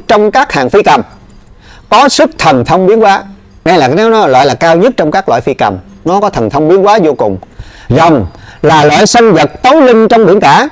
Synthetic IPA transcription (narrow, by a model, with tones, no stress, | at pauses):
t͡ɕɔ˧wŋ͡mkaː˦˥k̚haː˨˩ŋfi˧kə˨˩m | kɔ˨˦sɨ˦˥k̚t̪ʰə˨˩nt̪ʰə˧wŋ͡mɓi˨˦ənkwaː˨˦ | na˧laː˨˩˦nɛ˨˦n˨˦˨lwa̰ː˧˨jlaː˨˩kaː˧wɲə˦˥t̚t͡ɕɔ˧wŋ͡mkaː˦˥k̚lw̰a̰ː˧˨jfi˧kə̰˨˩m | nɔ˨˦kɔ˨˦t̪ʰə˨˩nt̪ʰə˧wŋ͡mɓi˨˦ənkwaː˨˦zo˧kʊ˨˩ŋ͡m | zə˨˩ŋ͡mlaː˨˩lwa̰ː˧˨jsa˧ŋzə˨˩t̚t̪o˨˦jlï˧ŋ̟t͡ɕɔ˧wŋ͡mɓḭ˧˩ənkaː˧˩